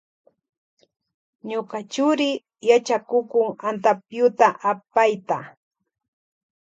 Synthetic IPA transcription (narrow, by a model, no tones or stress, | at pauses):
ɲokat͡ʃʊɾɪ | jat͡ʃakʊkʊŋant̪apjʊt̪aʔapajt̪a